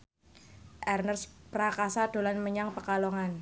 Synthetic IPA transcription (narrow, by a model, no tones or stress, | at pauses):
ʔɛrnərsprakasad̥o̤lanməɲaŋpəkaloŋan